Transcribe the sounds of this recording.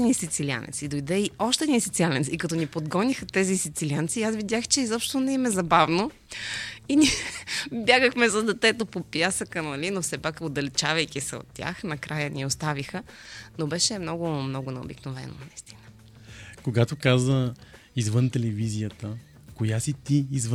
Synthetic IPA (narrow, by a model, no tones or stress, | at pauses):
ɛnisit̪silia̰nɛ̰t̪sid̪ojd̪ɛiɔʃt̪ɛd̪nisit̪sialɛnsikɐt̪ɔnipod̪ɡɔnixət̪ɛzisit̪siliant̪siasvid̪jaxt͡ʃɛizɔpʃt̪onɛmɛzɐbavno | inʲiɛbʲjaɡəxmɛzɐd̪ɛt̪ɛt̪opopjasəkənɐlinofsɛpakod̪ɐlɛt͡ʃavɐjkʲisɛo̰t̪ʲːja̰xnɐkɾajənʲiɛost̪avixənobɛʃɛmnɔɡʊmnɔɡʊnɛo̰biknovɛ̰no̰nɐist̪i̥nə | koɡat̪okazvə | izvənt̪ɛlɛvizijət̪ə | kojasit̪iːzv